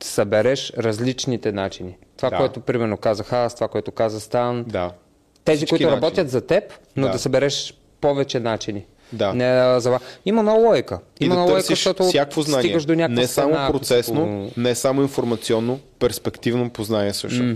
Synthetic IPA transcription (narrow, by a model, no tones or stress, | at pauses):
sɐbɛɾɛʃɾɐzlit͡ʃnit̪ɛnat͡ʃinit̪ovakoɛt̪opɾimɛɾnokazəxast̪ovakoɛt̪okazəst̪and̪a | t̪ɛzikoʊit̪ʊɾɐbɔt̪jət̪zɐt̪ɛp | nod̪ɐsɐbɛɾɛʃ | pɔvɛt͡ʃɛnat͡ʃini | dd̪anɛzɐvasimɐnɔlˠɔjkəimɐnɔlɔjsəʃʃt̪ɔt̪osʲjakkvoznaniɡəʃd̪onʲaknɛsamoapɾot̪sɛsnonɛsamʊinfoɾmɐt̪siɔnːopɛɾspɛkt̪ivnopoznanʲiɛsə̰ʃt